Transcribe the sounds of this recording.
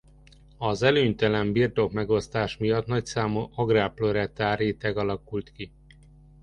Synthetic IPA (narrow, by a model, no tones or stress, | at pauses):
ɒzɛløːɲt̪ɛlɛmbirt̪o̞kmɛɡo̞st̪aːʃmijɒt̪nɒcsaːmuʔɒɡraːploɾɛt̪aːɾeːt̪ɛɡɒlɒkult̪ki